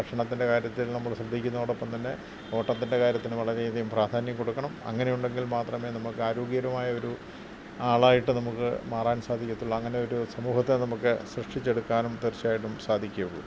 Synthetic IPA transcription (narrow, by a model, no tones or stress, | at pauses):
ɐʂɐɳɐt̪ːinde̞kaːɾjɐt̪ːilnɐmːɐɭɕrɐd̪ʱːikʲːunːɐoːɽopːɐmt̪ɐnːe̞ | o̞ːʈːɐt̪ːinde̞kaːɾjɐt̪ːinɨʋɐɭɐɾeiðɐjumpraːd̪ʱaːnjɐmkːo̞ɽukːɐɳɐmɐ̰ŋːɐne̞juɳɖe̞ŋɡilmaːt̪rɐme̞ːnɐmukːɨaːɾoːɡjiɐɾɐmaːjɐo̞ɾu | aːɭaːjiʈːɨnɐmukːɨ̰maːraːnsaːd̪ʱikʲːɐt̪ːuɭːɐːŋːɐne̞o̞ɾusɐmuːhɐt̪ːenɐmukːɨsrɨʂʈit͡ɕːe̞ɽukːaːnumt̪irt͡ɕːaːjiʈ̬ːumsaːd̪ʱikʲːɐulːu